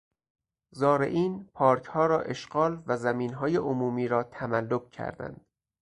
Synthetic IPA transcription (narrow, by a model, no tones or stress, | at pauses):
zɒːɾe̞̰ʔiːnpʰɒːɾkʰhɒːɾɒːʔe̞ʃɡɒːlvæzæmiːnɦɒːjeʔomuːmiːɾɒːt̪ʰæmælːob̚cʰæ̰ɾd̪æ̰nd̪̥